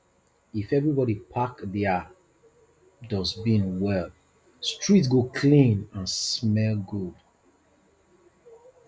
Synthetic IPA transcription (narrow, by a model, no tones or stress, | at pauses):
ifɛvɹibɔɾipʰakðia | dɔsbĩnwɛl | stɹ̥its̬ɡokʰlĩnãnsmɛlɡod